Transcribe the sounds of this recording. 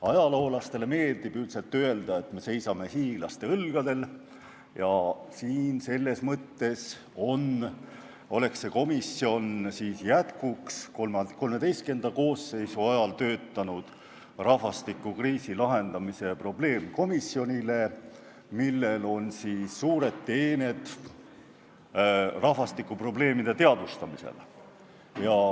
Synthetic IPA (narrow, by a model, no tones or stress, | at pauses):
ɑjɑloːlɑst̪e̞leme̞ːld̪̥ib̥ylt̪se̞lt̪ːøe̞ld̪̥ɑe̞t̪me̞se̞jsɑme̞hiːɡ̥lɑst̪e̞ɤlɡ̥ɑd̪e̞l | jɑsiːnse̞lːe̞smɤt̪ːe̞s | o̞n | o̞le̞ksːe̞ko̞misːjo̞nsiːsjæt̪kukskoko̞lme̞d̪̥e̞jst̪ke̞nd̪̥ɑko̞ːsːe̞jsuɑjɑlt̪ø̞ːt̪ːɑnud̪̥ | rɑhvɑst̪ikːˑukriːsilɑɦe̞nd̪̥ɑmise̞pro̞ble̞ːmko̞misːjo̞nʲile̞ | milːe̞lo̞nsiːsːuːɾe̞d̪̥t̪eːne̞d̪̥ | rɑhvɑst̪ikːˑupro̞ble̞ːmid̪e̞t̪e̞ɑd̪̥ust̪ɑmisḛl | jɑ